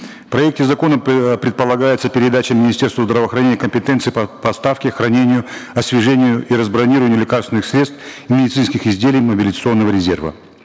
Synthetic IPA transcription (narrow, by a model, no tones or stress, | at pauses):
fpɾɐɛk̚tʲɪzɐko̞nəmpɾʲɪt̪̚pəlˠɐɡajɪt̪səpʲɪɾʲɪd̪at͡ɕɪmʲːɪnʲɪsʲtʲe̞rst̪vəzd̪ɾəvəːxɾɐnʲenʲɪjəkəmʲpʲɪt̪ent̪sɨːppəɐst̪afkʲɪxɾɐnʲenʲɪjʊɐsʲvʲɪʐɛnʲɪjʊʔiɾəzbɾɐnʲiɾəvənʲɪʊlʲɪkarst̪vʲɪnɨxsʲɾʲet̪st̪imʲɪdʲɪt̪sɨnskʲɪxɪzʲdʲelʲɪjməbʲɪlʲɪzət̪sɨo̞nːəvəɾʲɪzʲervə̰